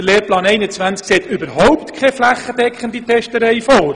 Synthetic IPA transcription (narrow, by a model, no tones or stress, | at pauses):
əleːɾplɑːnɛɪnət͡sʋænt͡skseːtybəɾhɔʊpt̪kʰɛflæχːəd̥̪ɛkʰχənd̪itʰɛʃtəɾɛɪfoːɾ